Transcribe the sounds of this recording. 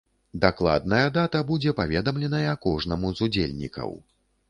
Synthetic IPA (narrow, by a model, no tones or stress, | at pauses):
d̪aklˠa̰d̪̚nɐjɐd̪at̪ɐbud͡zʲɛpavʲɛd̪ɐmlʲɛnɐjɐkɔʐnɐmuzud͡zʲelʲnʲḭkʰɐ̰w